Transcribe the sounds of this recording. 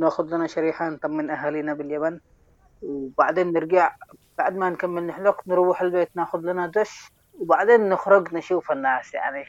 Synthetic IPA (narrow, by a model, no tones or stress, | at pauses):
naːxʊd̪lanaʃaɾiːħant̪ˤɑmːɪnʔaɦaːliːnabɪljaman | wbaʕd̪eːnːɪɾɡaʕb̥aʕd̪mankamːɪlnɪħlaknɾuwːħalbeːt̪naːxʊd̪lanad̪ʊʃ | wbaʕd̪eːnːɪxɾʊɡnɪʃuːfanːaːsja̰ʕni